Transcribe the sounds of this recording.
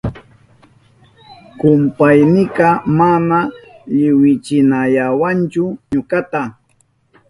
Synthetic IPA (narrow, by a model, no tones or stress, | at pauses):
kʊmpajnɪɢɑmanaʎɪwɪt͡ʃɪnaʎawant͡ʃʊɲokat̪a